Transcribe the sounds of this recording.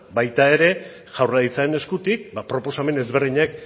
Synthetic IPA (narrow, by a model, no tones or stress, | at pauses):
bajt̪ae̞ɾe̞ | ʝawrait͡saene̞skut̪ik̚bapɾo̞po̞same̞ne̞zβe̞ɾðiɲak̚